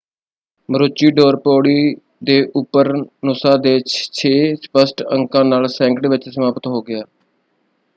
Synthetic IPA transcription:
məɾʊt͡ʃiːɖoːɾpoːɽiː | d̪eːʔʊpːəɾnʊsaːd̪eːt͡ʃt͡ʃʰeːspəsʈə̰ŋkãːnaːlsɛ̃ːŋkʈʋɪt͡ʃsəmaːpət̪ɦoːɡɪjaː

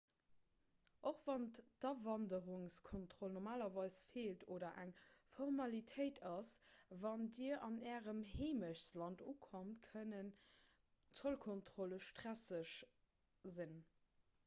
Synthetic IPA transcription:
ʔoχv̥ɑnd̥ɑvɑndəʁʊŋskʰontχolnɔʁmaːlɐvɑɪsfeːltʰoːdɐʔæŋfoʁmɑlitʰəɪtʰɑsvɑndiːɐʔɑnɛːʁəmheːməɕslɑntuːkʰomtkʰənən | t͡solkʰontχoləʃtʁ̥æsəʃ | zin

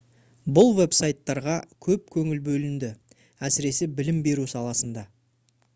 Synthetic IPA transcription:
bʊlˠve̞psajt̪ːɑɾʁɑkʲʰɵp̚kʲʰɵŋɪlbɵlɪnd̪ɪ | æsɪɾe̞sɪbɪlɪmbe̞ɾusɑlˠɑsənd̪ɑ

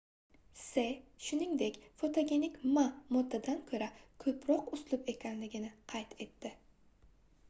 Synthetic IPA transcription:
se̞ʃʊnɪŋd̪e̞kʲfo̞t̪ʰoɡʲe̞nɪkʲmamʊd̪ːad̪ankʲʰɵɾakʲʰɵpʰɾɒqʊslˠʊpe̞kʲʰanlɪɡʲɪnɪqʰɑjt̪ʰe̞t̪ːɪ

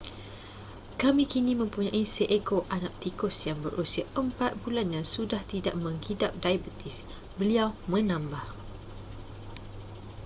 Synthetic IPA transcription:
kamĩkinĩmə̃mpuɲãʔisəʔekoʔanaʔ̚t̪ikʊsjaŋbəɾʔusiaʔəmpat̪̚bulanjaŋsudaht̪idaʔmə̃ŋhidap̚daibət̪ɪs | bəliawmə̃nãmbah

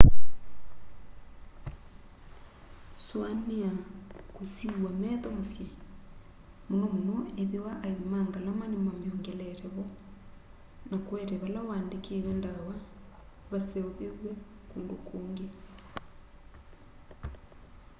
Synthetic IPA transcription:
swaneakosiwamɛðɔmosje | monɔmonɔeðiwaʔaimaːŋɡalamanemwameɔŋɡɛlɛɾɛβɔ | nakwɛɾɛβalawaːndekʰeɾɛndawa | βasɛoβeɣwe | kuːndokoːŋɡe

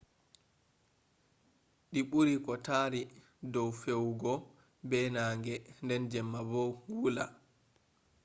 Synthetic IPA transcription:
ɗiɓuɾikɔtaːɾi | dɔwfɛwɡɔ | bɛnaːŋɡɛndɛnd͡ʒɛmːabɔwula̰

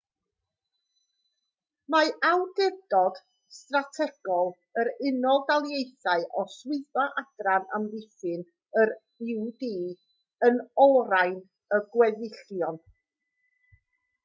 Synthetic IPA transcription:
maʔawdɛdɔd̥ | stratʰɛɡ̥ɔlˠ | əɾɪnɔlˠdalˠjejθaɨʔɔswɪðɔʔad̥rana̰mvɪθɨn | əɾ | ɪwdiː | ənɔɾajn | əɡwɛðɪɬjɔn

